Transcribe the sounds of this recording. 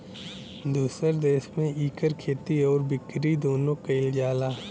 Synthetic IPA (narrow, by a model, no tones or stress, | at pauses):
d̪uːsəɾd̪eːʃmẽiːkəɾkʰeːt̪iɔːɾbɪkɾid̪oːnõkɐɪld͡ʒaːlaː